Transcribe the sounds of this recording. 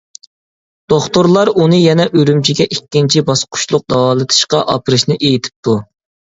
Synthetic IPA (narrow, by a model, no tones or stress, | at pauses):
d̪̥oχt̪oɾlˠɑɾunɨjɛnɛʔøɾymt͡ʃʰiɡʲɛʔikʲːint͡ʃʰibɑsqʰʊ̥ʃlˠʊq̚d̪ɑwɑːlˠɨt̪ʰɨ̥ʃqɑʔɑpʰɨɾɨʃnɨʔejit̪ʰɪ̥p̚t̪ʰu